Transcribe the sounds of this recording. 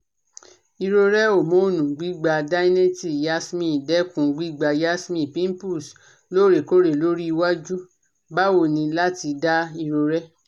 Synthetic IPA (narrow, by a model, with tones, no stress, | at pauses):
i˧ɾo˧ɾɛ˦o˦˨mõ˨˦o˦˨nũ˨ɡ͡bi˦ɡ͡ba˧da˦i˦nẽ˦ti˦˨ja˦smĩ˦˨dɛ˦kũ˨ɡ͡bi˦ɡ͡ba˧ja˦smĩ˦˨pĩ˦m˦pu˦˨s | lo˦˨ɾe˨ko˦ɾe˨lo˦ɾi˦i˧wa˦d͡ʒu˦ | ba˦wo˦˨nĩ˧la˦ti˧da˦i˧ɾo˧ɾɛ˦